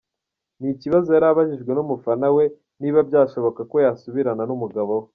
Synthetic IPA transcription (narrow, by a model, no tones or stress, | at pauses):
niciβazojaɾaβaʒiʒɡwe̞numufanawe̞ | niβabɟaːʃo̞βo̞kako̞jasuβiɾananumuɡaβowe